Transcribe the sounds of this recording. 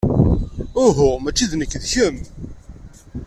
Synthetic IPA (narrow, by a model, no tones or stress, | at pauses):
ʊɦʊmæt͡ʃːiðnəkːðçəm